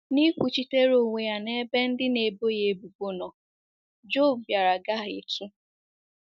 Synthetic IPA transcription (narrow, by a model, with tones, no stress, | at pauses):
ni˦kʷu˨t͡ʃi˨te˦ɾo˨ŋʷe˨ja˨ne˦be˦n̩˦dɪ˦ne˨bo˦je˨bu˨bo˦nɔ˨ | d͡ʒo˦˨bja˨ɾa˨ɡa˦˨ɪ̰˨t͡ʃu˦